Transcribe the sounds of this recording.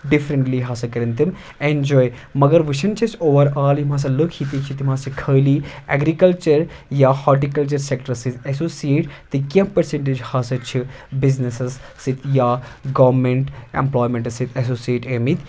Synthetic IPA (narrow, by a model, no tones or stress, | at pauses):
ɖifɾəɳʈliɦaːsɐkɐɾɐnt̪im | end͡ʒɔːjmɐɡɐɾʋɨʃʰɐnt͡ʃʰɐsoːʋɐɾaːljimãːs̬ɐlukʰhit̪it͡ʃʰit̪imaːsɐkʰəːliɛ̰ɡɾikɐlt͡ʃɐɾ | jaːhaɾʈikɐlt͡ʃɐɾsekʈɐɾsit̪esoːsijeːʈt̪ɨkʲɐ̃pɐɾseɳʈ̬ed͡ʒhaːsɐt͡ʃʰibiznesɐssit̪ʰjaːɡɐʋɾmeɳʈḛmplɔːjmẽɳʈsit̪ʰɐsoːsieːʈemit̪